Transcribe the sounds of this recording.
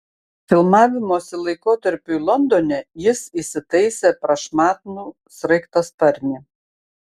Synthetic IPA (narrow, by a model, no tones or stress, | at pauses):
fʲɪlˠmɑːʋʲɪmoːsʲɪlˠɐɪkoːt̪ɐɾʲpʲuilˠɔnd̪oːnʲɛjɪsiːsʲɪt̪ɐɪsʲeːpɾɐʃmɑːt̪nuː | sɾɐɪkt̪ɐspɐɾʲnʲi